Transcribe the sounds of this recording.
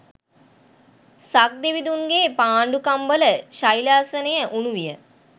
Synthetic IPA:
sak̚d̪iʋid̪uŋɡeːpaːɳɖukambələʃajlaːsənəjəʔunuʋijə

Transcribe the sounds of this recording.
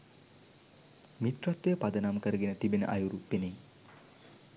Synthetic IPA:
mit̪rat̪ːejəpad̪ənamkəɾəɡenət̪ibenə̰ʔajuɾupːene

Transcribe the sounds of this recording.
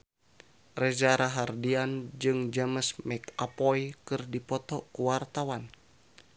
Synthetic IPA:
rɛzaɾaɦardiand͡ʒɨŋd͡ʒəməsmɛkapɔjkɨrdipɔt̪ɔkuwart̪awan

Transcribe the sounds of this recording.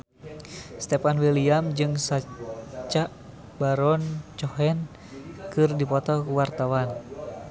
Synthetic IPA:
st̪ɛpanwiliamd͡ʒɨŋsat͡ʃaʔ | baɾɔnt͡ʃɔɦɛn | kɨrdipɔt̪ɔkuwart̪awan

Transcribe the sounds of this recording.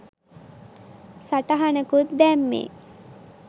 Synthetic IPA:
saʈɐɦanəkut̪̚d̪ɛmːḛː

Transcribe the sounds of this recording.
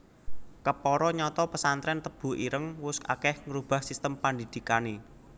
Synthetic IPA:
kəpɔɾɔɲɔt̪ɔpəsant̪ɾɛnt̪əb̥ṳiɾəŋwʊskakɛhŋəɾub̥a̤hsist̪əmpand̪id̪̥i̤kane

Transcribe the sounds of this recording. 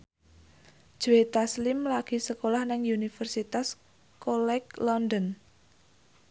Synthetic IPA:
d̥ʒ̥uwet̪aslɪmlaɡ̥i̤səkolahnaŋunifərsit̪as | kolɛklɔnd̪ɔn

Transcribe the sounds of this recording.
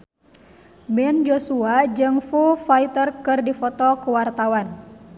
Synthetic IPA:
bɛnd͡ʒosuad͡ʒɨŋfufait̪ərkɨrdifɔt̪ɔkəwart̪awan

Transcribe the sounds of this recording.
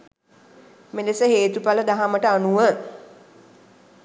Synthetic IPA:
menesəɦeːt̪upaləd̪aɦaməʈəanuʋəŋ

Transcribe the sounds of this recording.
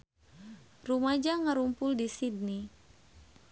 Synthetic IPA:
rumad͡ʒaŋaɾumpʊldisid̚ni

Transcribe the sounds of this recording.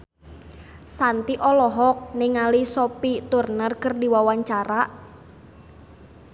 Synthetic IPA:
sant̪iʔɔlɔɦɔk̚nɪŋalisopit̪urnərkərdiwawaɲt͡ʃaɾaʔ

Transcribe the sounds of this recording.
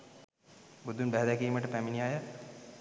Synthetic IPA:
bud̪ʱːunbæɦɛd̪ɛkiːməʈəpæminijajə

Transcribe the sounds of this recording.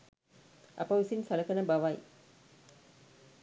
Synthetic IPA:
ɐ̰pɐʋsinsɐlɐkɐnɐbɐʋaj

